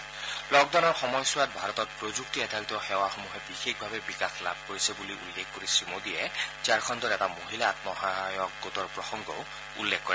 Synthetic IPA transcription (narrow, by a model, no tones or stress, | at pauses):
lɔɡd̪ɔnɔɹxɔmɔjswat̪̚bʱaɾɔt̪ɔt̚pɾod͡ʒukt̪iɛd̪ʰʱalt̪ɔxewaxomuɦebixekʰbʱabebikaxla̰b̚ʱkoɹisebuliʔṵlːekʰkoɾisimod̪iet͡ʃaɾkʰɔnd̪ɔɾɛtamoɦilaːt̪̚mɔɦajɔk̚ɡot̪ɔɹpɹɔsɔŋɡɔw | ṵlːekʰːɔɾɛ